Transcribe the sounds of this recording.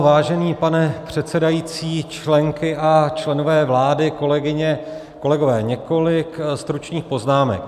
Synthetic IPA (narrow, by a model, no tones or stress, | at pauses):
vaːʒɛniːpanɛpr̝̥ɛt̪sɛdajiːt͡siːt͡ʃlɛŋkɪʔat͡ʃlɛno̞vɛːvlaːdɪkolɛɡɪɲɛ | ko̞lɛɡo̞vɛːɲɛko̞lɪkst̪ɾut͡ʃɲiːxpo̞znaːmɛ̰k